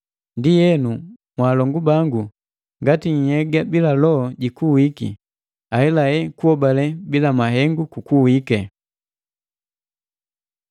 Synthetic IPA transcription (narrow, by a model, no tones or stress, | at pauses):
ndijɛnu | mwaːlɔŋɡubaŋɡu | ŋɡatiɲ̩hɛɡabilalɔɔɟikuwikḭ | ahɛlaɛkuɔbalɛbilamaɦɛŋɡukukuwikɛ